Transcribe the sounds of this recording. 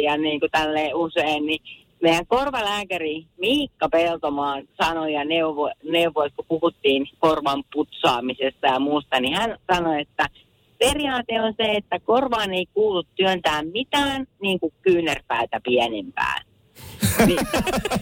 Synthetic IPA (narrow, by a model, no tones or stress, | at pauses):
jɑniːŋkut̪ælːeːuseːnni | meijˑæŋkorʋɑlæːkærimiːkːɑpelt̪omɑːnsɑnojɑneuʋoneuʋoit̪kupuhut̪ːiːnkorʋɑmput̪sɑːmisest̪ɑjɑmuːst̪ɑnihænsɑnoet̪ːæ | periɑːt̪eonseet̪ːækorʋɑːneikuːlut̪tyønt̪æːmmit̪æːnniːŋkukkyːnerpæit̪æpiænempæ̰ːn | ni